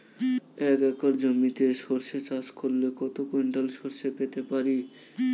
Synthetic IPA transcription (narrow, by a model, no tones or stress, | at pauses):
ɛkɛkaɾd͡ʑomit̪eʃoɾʃet͡ɕaʃkoɾːekɔt̪okoeɳʈalʃoɾʃepet̪epaɾi